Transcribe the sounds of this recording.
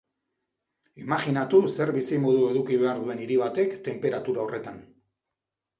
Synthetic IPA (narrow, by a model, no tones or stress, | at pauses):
imaɣinat̪use̞ɾβisimo̞ðue̞ðukiβe̞aɾðue̞niɾiβ̞at̪e̞kt̪e̞mpe̞ɾat̪uɾaore̞t̪an